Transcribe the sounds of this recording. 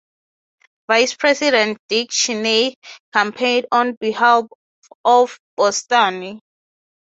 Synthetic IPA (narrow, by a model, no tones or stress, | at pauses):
vajspʰɹɛsidɛ̃ntd̥ik̚t͡ʃinekʰãmpʰẽndɔ̃nbihalf | ɔfb̥ɔstani